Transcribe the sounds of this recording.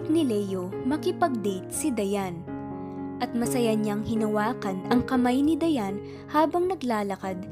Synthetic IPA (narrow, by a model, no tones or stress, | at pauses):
nɪlɛjo | mɐkɪpɐɡ̚d̪it̪̚sɪd̪ɐjan | ʔɐt̪̚mɐsɐjaɲaŋhɪnɐwaːkɐnɐŋkɐmajnɪd̪ɐjan | haːbɐŋnɐɡlaːlɐkad̪̚